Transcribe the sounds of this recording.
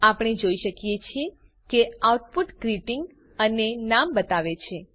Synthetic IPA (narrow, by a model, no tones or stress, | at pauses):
apɽ̃ed͡ʒoiʃəkjet͡ʃʰie | keauʈpuʈɡɾiʈiŋɡ | ənenambət̪aʋet͡ʃʰe